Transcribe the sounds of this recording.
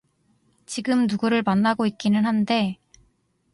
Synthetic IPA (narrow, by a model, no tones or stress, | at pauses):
t͡ɕiɡɯmnuɡuɾɯɭmanːaɡoit̚k͈inɯnɦande̞